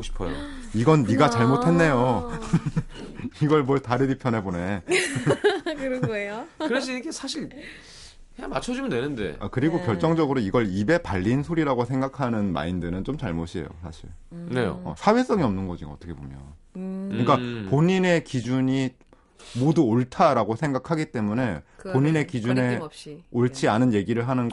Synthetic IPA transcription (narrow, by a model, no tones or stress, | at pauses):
oɕʰi̥pʰʌjo̰ | iɡʌnːiɡat͡ɕaɭmotʰe̞nːe̞jo | iɡʌɭmwʌɭtaɾidipʰjʌnɦe̞bone̞ | kɯɾʌɡoejokɯɾes̬ʰinikʰesʰaɕʰiɭ | hemat͡ɕʰʌd͡ʑimndwenɯnde̞̰a̰kɯɾiɡokjʌɭt͡ɕ͈ʌŋd͡ʑʌɡɯɾoiɡʌɭibe̞paʎːinsʰoɾiɾaɡosʰe̞ŋɡakʰanɯnma̰indɯnɯnt͡ɕomt͡ɕaɭmoɕʰie̞̰jo̰sʰaɕʰiɭnejo̰ʌ̰sʰawe̞s͈ʌŋiʌmnɯnɡʌd͡ʑiɡa̰ʌt͈ʌkʰebomjʌ̰n | ɲik͈apoɲine̞kid͡ʑuɲi | moduoɭtʰaɾaɡosʰe̞ŋɡakʰaɡit͈e̞mune̞poɲinekid͡ʑune̞ɕ͈ioɭt͡ɕʰianɯnje̞ɡiɾɯɭɦanɯnɡ